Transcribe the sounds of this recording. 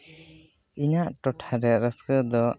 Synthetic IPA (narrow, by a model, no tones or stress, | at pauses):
iɲaʔʈɔʈʰaɾɛɾəskəd̪ɔ